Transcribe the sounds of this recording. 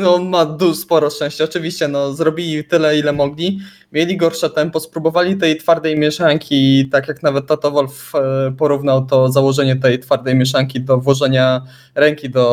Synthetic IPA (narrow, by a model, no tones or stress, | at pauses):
nɔmad̪uspɔɾɔʂt͡ʂɛ̃w̃ɕt͡ɕɛɔt͡ʂɘvʲiɕt͡ɕɛnɔzɾɔbʲilʲit̪ɘlɛilɛmɔɡlʲi | mʲjelʲiɡɔɾʂɛt̪ɛmpɔspɾubɔvalʲit̪ɛjt̪faɾd̪ɛjmʲjɛʂaŋkʲit̪akjaknavɛt̪ːat̪ɔvɔlf | pɔɾuvnawt̪ɔzawɔʐɛɲɛt̪ɛjt̪faɾd̪ɛjmʲjɛʂ̬aŋkʲid̪ɔvwɔʐɛɲa | ɾɛŋkʲid̪ɔ